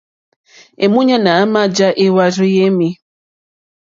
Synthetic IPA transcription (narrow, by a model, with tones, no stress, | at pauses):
e˨mu˦ɲa˦naː˨˦ma˦d͡ʒa˦ʔe˦wa˦ɾi˦je˦mi˦